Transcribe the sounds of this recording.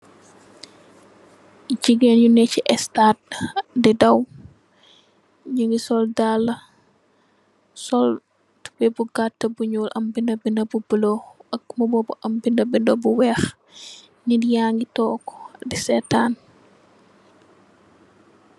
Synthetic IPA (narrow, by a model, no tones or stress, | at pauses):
ɟiɡenjunɛciʔɛstat̚didɐw | ɲəŋɡisɔldalːɐ | sɔl | tu̥bɛbuɡatːɐbuɲuːlʔɐ̰mbindɐbindɐbubəlɔxɐk̚mɔbɔbɔʔɐmbindɐbindɔbuwɛːx | nidijaŋɡitɔːkɔ̥disɛtaːn